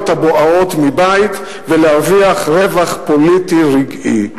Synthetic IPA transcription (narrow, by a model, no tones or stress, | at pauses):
t̪aboʔao̞tmibajt̪ | velehaviaχʁe̞vaχpo̞litiʁiɡḭ